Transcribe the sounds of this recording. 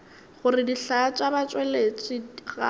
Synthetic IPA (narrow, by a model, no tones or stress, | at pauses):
χʊrɪdiɬat͡ʃʼabat͡ʃʼwɛlet͡ʃʼɪɣa̰